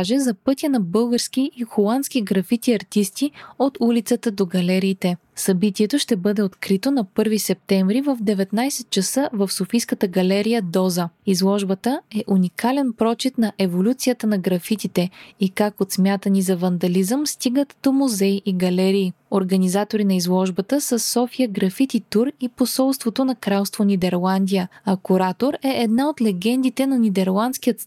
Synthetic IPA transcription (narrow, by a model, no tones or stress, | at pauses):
ʒɛzɐpɤt̪ʲjənɐbɤlˠɡəɾskʲiʔixolˠant̪skʲiɡɾɐfit̪iɐɾt̪ist̪iot̪ulit̪sət̪əd̪oɡɐlɛɾiːt̪ɛ | sɐbit̪iɛt̪oʃt̪ɛbɤd̪ɛot̪kɾit̪onɐpɤɾvisɛp̚t̪ɛɱvɾivəvd̪ɛvɛt̪najsɛt̪̚t͡ʃɐsəvəfsofijskət̪əɡɐlɛɾijəd̪ɔzəizlˠɔʒbət̪əɛʔunikʰalɛnpɾɔt͡ʃit̪nɐʔɛvolʲut̪sijət̪ənɐɡɾɐfit̪it̪ɛikakot̪smʲjat̪ənizɐvɐnd̪ɐlizəmst̪iɡət̪d̪̥omuzɛiʔiɡɐlɛɾiː | oɾɡɐnizat̪oɾinɐizlˠɔʒbət̪əsəsːɔfijəɡɾɐfit̪it̪uɾiposɔlˠst̪vot̪onɐkɾalˠst̪vonʲid̪ɛɾlˠand̪ijəɐkuɾat̪oɾɛʔɛd̪naot̪lɛɡʲɛnd̪it̪ɛnɐnʲid̪ɛɾlˠant̪sk̟ijət̪